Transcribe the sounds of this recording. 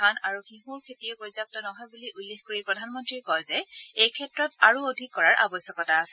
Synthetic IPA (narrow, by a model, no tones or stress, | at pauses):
anaɹuxiɦuɹkʰetiokoɹizap̚tɔnɔɦɔjbuliʔulːexkoɹipɹɔdʱanmɔntɹikɔjzɛejkʰɛtɹɔtaɹuodʱikːɔɹaɹʔa̰bɔsjɔkɔtaːsɛ